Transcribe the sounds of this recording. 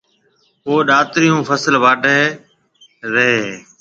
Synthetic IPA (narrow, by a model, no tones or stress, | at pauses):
ɦoːɗaːt̪ɾɪjũːpʰəsəlʋaːɖeː | ɾəɦeː